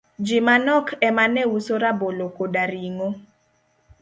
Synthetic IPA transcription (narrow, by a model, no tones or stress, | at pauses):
d͡ʒimanɔkʰɛmanɛwusoɾabolokodaɾiŋo